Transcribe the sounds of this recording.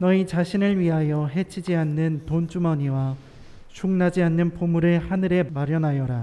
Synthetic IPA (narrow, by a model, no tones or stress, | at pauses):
nʌit͡ɕaɕʰinɯɭɥiɦajʌɦe̞t͡ɕʰid͡ʑianːɯntont͡ɕ͈umʌɲiwa | t͡ɕʰuŋnad͡ʑianːɯnpomuɾehanɯɾe̞maɾjʌnɦajʌɾa